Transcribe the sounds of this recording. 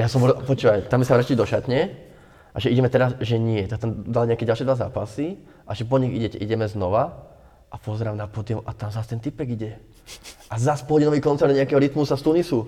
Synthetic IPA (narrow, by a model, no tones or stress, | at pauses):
jasɔ̃mʋɔpɔt͡ʃuːʋajt̪ambisaʋɾacilid̪ɔʃat̪ɲɛ | ʔa̰ʒɛiɟɛmɛt̪ɛɾazʒɛɲɪɛt̪at̪amd̪alɲɛakɛɟalʃiɛd̪ʋaza̰ːpasi | ʔaʒɛp̬ɔɲiɣḭɟɛcɛ̰ʔiɟɛmɛznɔʋa | ʔapɔzɛɾaːmnapɔd̪ɪɔmʔat̪amzast̪ɛnt̪ipɛɡiɟɛ | ʔazaspɔɦɔɟinɔʋiːkɔntt͡sɛɾd̪ɲɛakɛɦɔɾit̪musast̪unisu